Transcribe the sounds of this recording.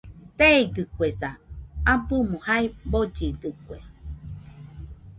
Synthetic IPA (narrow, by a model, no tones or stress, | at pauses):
t̪eɡɨkʷesaabɨmõhaibod͡ʒid̪ɨkʷe